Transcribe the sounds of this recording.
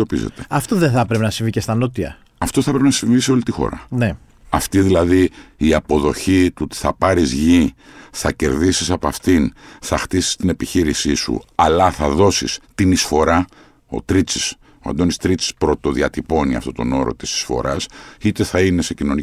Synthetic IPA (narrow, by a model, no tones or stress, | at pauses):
opizḛt̪eɐft̪oðenθɐpɾepenɐsĩɱvicest̪ɐnot̪iɐ̰ | ɐft̪o̞θɐpɾepenɐsiɱviseo̞lit̪ixo̞̰ɾɐ̰ne | ɐft̪iðilɐðiːɐpo̞ðo̞çit̪ut̪i̥θɐpɐɾizʝiθɐce̞̰ɾðisisɐpɐft̪inθɐxt̪isi̥st̪ine̞piçiɾisisṵɐlɐθɐðo̞sḭst̪inisfo̞ɾɐ | o̞̰t̪ɾit͡sis | oɐ̰nd̪o̞nist̪ɾit͡si̥spɾo̞t̪o̞ðiɐt̪ipo̞niɐ̰ft̪o̞t̪o̞̰no̞ɾo̞̰t̪i̥si̥sfo̞̰ɾʔɐsit̪e̞θɐine̞se̞cino̞ni